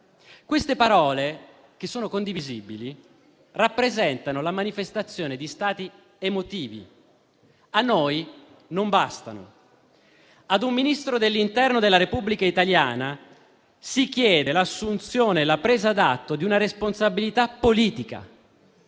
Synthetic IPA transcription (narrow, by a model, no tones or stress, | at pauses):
kwest̪epaɾɔːle | k̟esːoːnokond̪iviziːbili | rapːɾezɛnt̪anolamanifest̪at̪sːjoːned̪ist̪aːt̪i | emot̪iːvḭ | anːoːj | nombast̪a̰no̰ | ad̪umːinist̪ɾod̪elːint̪ɛrnod̪elːaɾepubːlikait̪alja̰ːna | sik̟jɛːd̪elasːunt̪sjoːnelapɾeːzad̪at̪ːod̪iunaɾesponsabilit̪apːoliːt̪ika̰